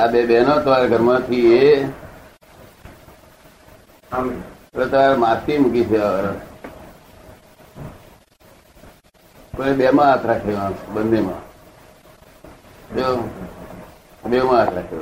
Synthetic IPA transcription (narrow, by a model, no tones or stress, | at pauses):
abeɓenot̪əʋaɾɡʱəɾmãt̪ʰie | elet̪əʋaɾmãt̪imukit͡ʃʰeaəɾə | pəɳeɓemãɦat̪ʰɾakʰeʋãbənːemã̰ | d͡ʒo | ɓemãɦat̪ʰɾakʰe